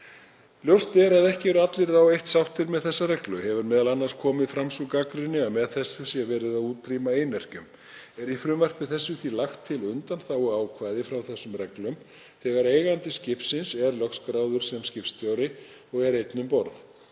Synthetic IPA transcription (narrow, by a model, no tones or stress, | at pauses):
ljowst̪ɛɾaðɛhcɪvɛɾʏat̪lɪɾawejht̪sawht̪ɪɾmɛðθɛsːarɛklʏhɛvʏɾmɛːðalanːaɾ̥skʰɔːmɪðfɾamsukakɾɪnːɪaðmɛðθɛsːʏsjɛvɛːɾɪðaðuːt̪ɾimaeːjnɛr̥cʏm | ɛɾifɾʏːmar̥pɪθɛsːʏθilaxt̪ʰːɪlʏnt̪anθawɔɣaːwkʰvaːjðɪfɾawθɛsːʏmrɛklʏm | θɛːɣaɾeːjɣant̪ɪscɪpsɪnsɛɾlœxskɾawðʏɾ̥sɛmscɪfst̪joːwɾɪ | ɔɣɛɾejt̪nʏmpɔɾθ